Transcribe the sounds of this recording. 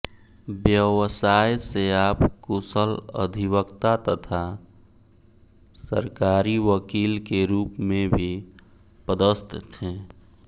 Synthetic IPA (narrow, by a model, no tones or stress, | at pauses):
bjəwsaːjseaːpkusələ̰d̪ʱiwəkt̪at̪ət̪ʰa | sə̰ɾkaːɾiʋəkiːlkeɾuːpmẽbʱi | pəd̪əst̪t̪ẽː